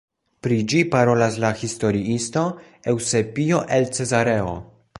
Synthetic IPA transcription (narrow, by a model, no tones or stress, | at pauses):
pɾid͡ʒipaɾo̞laslahisto̞ɾiisto̞ | e̞wse̞pio̞ʔe̞lt͡se̞zaɾe̞o̰